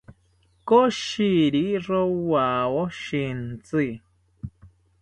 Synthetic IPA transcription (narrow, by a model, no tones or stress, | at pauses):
koʃiɾiɾowawoʃint͡si